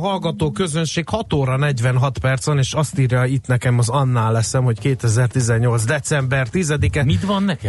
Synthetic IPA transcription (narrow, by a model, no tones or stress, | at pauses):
ɦɒlɡɒt̪oːkø̞zø̞nʃeːkhɒt̪oːɾɒnɛɟʋɛnɦɒt̪pɛrt̪sɒneːʃɒst̪iːrjait̪nɛkɛmɒzɒnːaːlːɛsɛmho̞ckeːt̪ɛzɛrt̪izɛɲːo̞lzd̪ɛt̪sɛmbɛrt̪izɛd̪ikɛmit̪ʋɒnːɛkɛ